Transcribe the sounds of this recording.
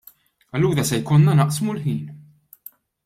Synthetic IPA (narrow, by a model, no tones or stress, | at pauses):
ɐlːuːɾɐsɛjkɔnːɐnɐʔsmulħiːn